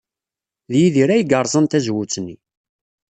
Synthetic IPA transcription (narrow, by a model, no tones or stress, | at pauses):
ðjiðiɾæjəɡəɾˤzˤənt̪æzwut͡sːnːi